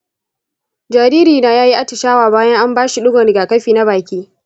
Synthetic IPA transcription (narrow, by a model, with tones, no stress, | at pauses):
d͡ʒaː˨ɾiː˦ɾiː˨na˦jaː˦ji˦ʔa˦tɪ˨ʃaː˦waː˨baː˦jɐ˦ŋʔa˦mbaː˦ʃi˨ɗʊ˦ɡʷɔ˨ɾɪ˨ɡaː˨kɐ˦ɸiː˨na˦baː˨kʲiː˦